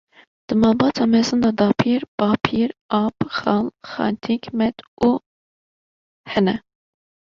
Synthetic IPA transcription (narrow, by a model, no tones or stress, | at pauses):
d̪̥əmɑbɑt͡sʰɑmɛzənd̪ɑd̪ɑpʰiɾbɑpʰiɾɑpχɑlχɑ̰nt̪ʰikʰmɛt̪u | hɛnə